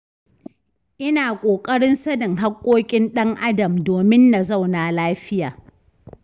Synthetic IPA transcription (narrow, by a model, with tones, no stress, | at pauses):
ʔɪ˦naː˨kʷʼoː˨kʼɐ˦ɽɪ˦nsɐ˦nɪ˨ŋɦa˦kʷʼːoː˦kʲʼɪ˦nɗɐ˦ŋʔa˦dɐ˨mdoː˨mɪ˦nːa˨za˦˨wnaː˨laː˦ɸɪ˦jaː˨